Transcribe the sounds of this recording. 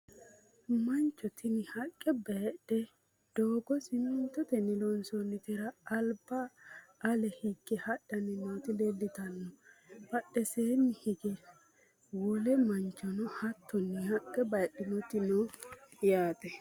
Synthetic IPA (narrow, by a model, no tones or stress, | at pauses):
mɐnt͡ʃːɔt̪ɪnɪhɐkʼːɛbɐɗɛ | d̪̥oːɡɔsɪmɛnt̪ːɔt̪ɛnɪlɔnsɔnːɪt̪ɪɾɐːlbɐː | lɛhɪkːɛhɐɗːɐnɪnoːt̪ɪdɛlːɪt̪ɐnːɔbɐɗɛseːnːɪhɪɡɛ | wɔlɛmɐnt͡ʃːɔnɔhɐt̪ːɔnːɪhɐkʼːɛbɐɗɪnɔt̪ɪnɔjaːt̪ʼɛ